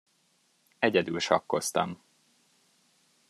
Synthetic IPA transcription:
ɛɟɛd̪ylʃɒkːo̞st̪ɒ̰m

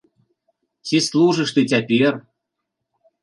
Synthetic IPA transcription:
t͡sʲislˠuʐɨʂt̪ɨt͡sʲapʲɛr

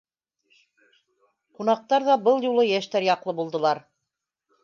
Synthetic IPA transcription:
qunɑq̚t̪ɑɾðɑbɤlˠjulˠɤjæʃt̪æɾjɑqlˠɤbulˠd̪ɤ̆lˠɑɾ

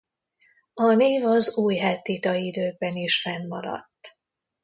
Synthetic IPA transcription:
ɒneːvɒzuːjɦɛt̪ːit̪ɒid̪øːɡ̚bɛniʃfɛnːɒɾɒ̰t̪ː

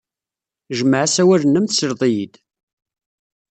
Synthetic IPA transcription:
ʒəmʕasæwæɾənːəmθsəɾðˤijid̪

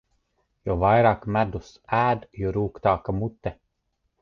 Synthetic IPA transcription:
jɔvajɾaːkmæd̪us | æːd̪jɔɾuːkt̪aːkamut̪ːɛ

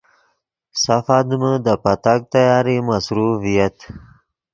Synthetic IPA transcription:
safad̪məd̪əpat̪ak̚t̪ajɑːɾimasɾuvijat̪

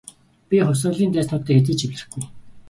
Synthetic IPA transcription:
pʲiχʊwsʊ̆ɮiːnt̪æːsnɔːt̪ːæːxet̪̬iːt͡ɕʰiwɮɘ̆xɡuj

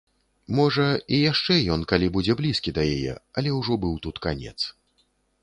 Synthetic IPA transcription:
mɔʐɐijaʂt͡ʂɛjɔnkalʲibud͡zʲɛblʲiskʲid̪ɐjajɛ̰ɐlʲɛwʐɔbɨwt̪ut̪kanʲɛ̰t̪s

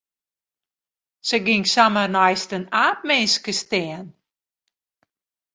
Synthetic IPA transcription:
səɡɪŋsamənajstənaːp̚mɪnskəstɛən

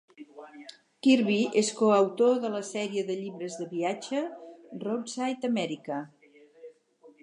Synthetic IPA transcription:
kiɾβiʔeskoəwt̪oðələsɛɾiəðəʎiβɾəzðəβiad͡ʒərot̪sajt̪əmɛɾikə

